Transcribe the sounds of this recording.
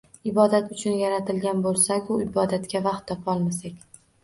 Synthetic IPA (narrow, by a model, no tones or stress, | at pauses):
ɪbɒd̪at̪ʊt͡ʃʰʊnjaɾat̪ɪlɡʲanbolˠsakʲʊɪbɒd̪at̪kʲavaχt̪ʰːɒpʰɒlˠmasakʲ